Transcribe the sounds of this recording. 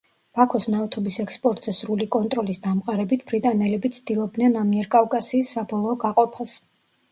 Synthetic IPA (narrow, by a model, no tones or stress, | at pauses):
b̥akʰɔsnavt̪ʰɔbisɛkspʼɔɾt̪ʼz̥ɛsɾulikʼɔnt̪ʼɾɔlisd̪amqʼaɾɛbit̪ʰb̥ɾit̪ʼanɛlɛbit̪sʰd̪̥ilˠɔb̚d̪nɛnamiɛɾkʼavkʼasiːsːabɔlˠɔːɡaqʼɔpʰas